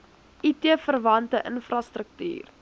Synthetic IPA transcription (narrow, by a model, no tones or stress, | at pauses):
ʔitiəfərvɐntəʔənfrɐstrək̚ty̰ːr